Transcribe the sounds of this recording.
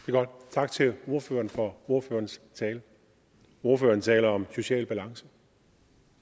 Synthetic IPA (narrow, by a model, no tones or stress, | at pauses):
d̥e̝ɡ̥ɒd̥t͡sʰɑ̈ɡ̥t͡sʰe̝lo̝ɐfø̰ːɐnfɒ̽o̝ɐføːɐnst͡sʰɛːlə | o̝ɐfø̰ːɐn̩t͡sʰɛːlɐɒ̽mso̝ɕɛ̰ːlb̥ælɑ̈ŋsə